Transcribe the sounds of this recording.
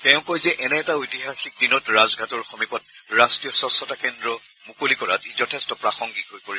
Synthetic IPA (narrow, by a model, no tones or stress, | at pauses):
tɛʊ̃kojzɛʔɛnɛːtaojtiɦaxik̚dinɔtɹazɡʱatɔɹxɔmipɔt̚ɹastɹijɔsɔsɔtakɛndɹɔ | mukolikɔɹatizɔtʰɛstɔpɹaxɔŋɡiɦojpoɹi